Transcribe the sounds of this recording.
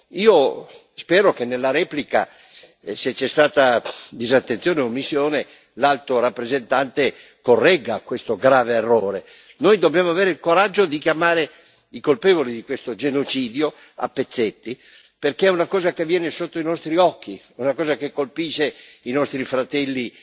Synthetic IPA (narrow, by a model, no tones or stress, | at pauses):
iːo | spɛːɾokenːelːaɾɛːplika̰ | set͡ʃːɛst̪aːt̪ad̪izat̪ːent̪joːneomisːjoːne | lalt̪oɾapːɾezent̪ant̪e | korːɛɡakwest̪oɡɾaːveːrːoːɾe | nojd̪objaːmoaveːɾeilkoɾad͡ʒːod̪ik̟jamaːɾe | ikolpeːvolid̪ikwest̪od͡ʒenot͡ʃiːd̪jo | a̰pːet̪sːet̪ːi | perkeɛunakɔːzak̟evːjɛːnesot̪ːoinɔst̪ɾiɔkːi | unakɔːzakekːolpiʃeinɔst̪ɾifɾat̪ɛlːi